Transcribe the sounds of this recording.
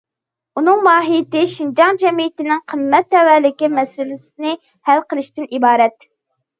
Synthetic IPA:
unɨŋmɑːɦijɪt̪ɪʃind͡ʒɑŋd͡ʒɛmijɪt̪ɪnɪŋqʰəmːɛt̪ːɛwælɪkʲimɛsɪlɪsɪnɪ | hælqəlˠɪʃt̪ɪnibɑːɾɛt̪

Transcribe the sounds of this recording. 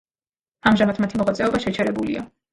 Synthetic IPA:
amʒamat̪ʰmat̪ʰimɔʁat̪sʼɛɔbaʃɛt͡ʃʰɛɾɛbulḭa̰

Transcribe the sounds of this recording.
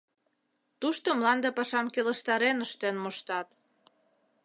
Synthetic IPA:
t̪uʃt̪omlɑnd̪epɑʃɑmkeləʃt̪ɑɾenəʃt̪enmoʃt̪ɑt̪

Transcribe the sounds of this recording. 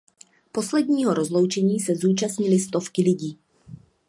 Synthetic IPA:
po̞slɛdɲiːɦoɾozlowt͡ʃɛɲiːsɛzuːt͡ʃast̪ɲɪlɪst̪o̞fkɪlɪɟiː

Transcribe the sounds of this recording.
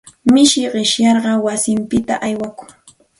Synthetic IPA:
mɪʃɪɢɪʃjɑɾɢɑwasɪmpɪt̪a̰ʔajwakʊŋ

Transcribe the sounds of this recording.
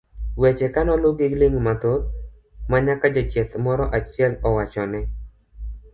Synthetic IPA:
wɛt͡ʃɛkanɔlʊɡɪɡlɪŋmat̪ot̪̚ | maɲakad͡ʒat͡ʃɛt̪mɔɾɔʔat͡ʃɪɛlɔwat͡ʃɔnɛ

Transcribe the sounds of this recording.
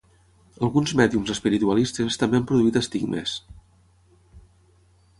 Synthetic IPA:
əlˠɣunzmɛðiumzəspiɾit̪uəlist̪est̪əmbeampɾuðuit̪əst̪iɡmḛs

